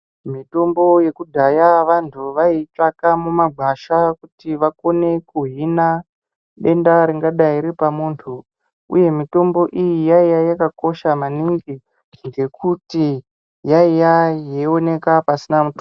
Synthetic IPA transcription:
mito̞mbo̞je̞kudʱajaʋantʰuʋait͡ʂakamumaɡʱaʃakutiʋako̞ne̞kuɦina | ɗe̞ndaɾiŋɡaɗaiɾipamuːntʰu | ṵje̞mito̞mbo̞ʔijijaijajakako̞ʃamaniŋɡi | ŋɡe̞kuti | jaijajeo̞ne̞kapasinamuto

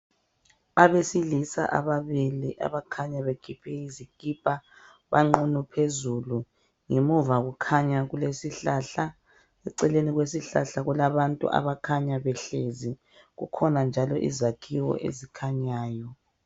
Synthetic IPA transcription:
aβesilisa̰ʔaβaβiliʔa̰βakʰaɲaβekʰipʰɛiziɡ̥ʱʼipʼa | βa̰ŋ͡ǃunupʰezulu | ŋemuvaɣukʰaɲaɣulesiɬaɬa | ɛǀɛleniɣwesiɬa̰ɬaɣulaβantʼṵʔa̰βakʰaɲaβɛɬezi | ɣṵkʰɔnand͡ʒʱalɔʔḭzakʰiwɔ̰ʔḛzikʰaɲaːjɔ

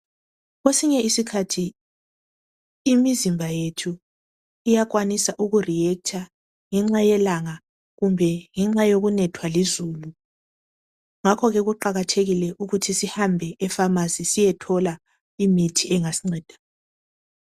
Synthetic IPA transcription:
ɣwesiɲɛisikʰatʰi | mizimbʱajetʰu | ijaɣwanisaʔuɣurijɛk̚tʰa | ŋɛŋ͡ǁajɛlaŋa | ɣumbʱɛŋɛŋ͡ǁajoɣunɛtʰwalizuːlu | ŋakʰɔɣɛɣuǃaɣatʰeɣilɛʔuɣutʰisihambʱɛʔːfamazisijɛtʰɔla | imitʰiʔɛŋasiŋ͡ǀɛːd̥ʱḁ

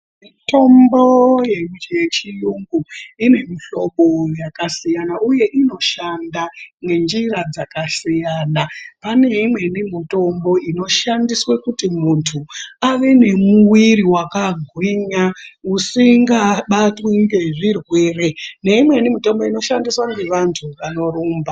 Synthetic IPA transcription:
mito̞mbo̞jemje̞t͡ʃijuŋɡuine̞miɬo̞ɓojakasijanauje̞ʔino̞ʃandane̞nd͡ʒirad͡zakasijaːnapane̞imwe̞nimito̞mbo̞ino̞ʃandiswekutimuntʰuaʋe̞ne̞muwiriwakaɡʱwiɲausiŋɡaɓatwiŋɡe̞ʐirwe̞ːre̞ne̞imwe̞nimito̞mbo̞ino̞ʃandiswaŋɡe̞ʋantʰuʋano̞ruːmba

